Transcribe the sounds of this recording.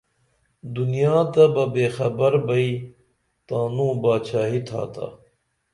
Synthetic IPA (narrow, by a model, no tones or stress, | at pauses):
d̪unijaːt̪ɐbɐbeːxɐbɐɾbɐiː | t̪aːnũːbaːt͡ɕʰaːɦit̪ʰa̰ːt̪a̰ː